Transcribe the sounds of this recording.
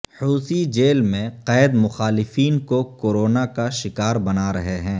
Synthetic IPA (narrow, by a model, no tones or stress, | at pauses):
huːsid͡ʒeːlmẽqɛːd̪mʊxaːlɪfiːnkokoːɾoːnakaʃɪkaːɾbɐnaɾɐɦeɦɛ̃ː